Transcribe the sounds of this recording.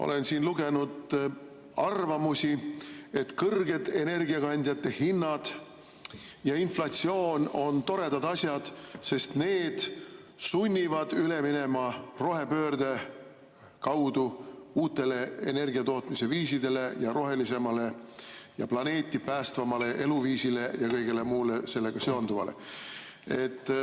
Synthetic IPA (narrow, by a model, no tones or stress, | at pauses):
ʔo̰le̞nsiːnluɡe̞nud̪ | ɑrvɑmusʲie̞t̪kɤrɡe̞d̪̥e̞ne̞rɡiɑkɑnʲd̪ʲjɑt̪ːe̞hinːɑd̪̥ | jɑinflɑt̪sio̞ːno̞nt̪o̞ɾe̞d̪̥ɑd̪̥ɑsʲjɑd̪̥se̞st̪ne̞ːd̪̥ | sunʲːivɑd̪̥yle̞mine̞mɑro̞ɦe̞pø̞ːrd̪̥e̞ | kɑwd̪uuːt̪ːˑe̞le̞ḛne̞rɡ̥iɑt̪o̞ːt̪mise̞viːsid̪e̞le̞jɑɾo̞ɦe̞lise̞mɑle̞jɑplɑne̞ːt̪ːˑipæːst̪vɑmɑle̞ʔe̞luviːsile̞jɑkɤjɡ̥e̞le̞muːle̞se̞lːe̞ɡ̥ɑseond̪uvɑ̰lḛ | e̞t̪ː